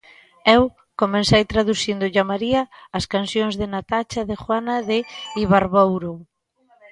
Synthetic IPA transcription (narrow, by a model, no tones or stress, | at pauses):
ɛw | komensejt̪ɾaðuθind̪ʊʎamaɾiɐːskansjoŋzðɪnat̪at͡ʃɐðexwanɐðɪiβaɾβowɾo